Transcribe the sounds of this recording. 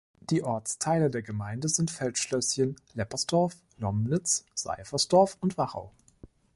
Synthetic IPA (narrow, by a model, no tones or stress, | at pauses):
d̥iːʔɔɐt͡stʰaɪlədeːɐɡəmaɪndəzɪntfɛltʃlœsçənlɛpɐsd̥ɔɐf | lɔmnɪt͡sz̥a̰ɪfɐsd̥ɔɐfʊntv̥aʁa̰ʊ